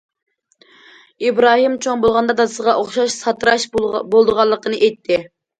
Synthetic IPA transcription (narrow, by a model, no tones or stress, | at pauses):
ibɾɑːɦimt͡ʃʰoŋbolˠʁɑnd̪ɑd̪ɑsəʁɑʔoχʃɑʃsɑt̪ɾɑʃbolˠd̪əʁɑlˠːəqʰənɨʔejt̪ʰːɪ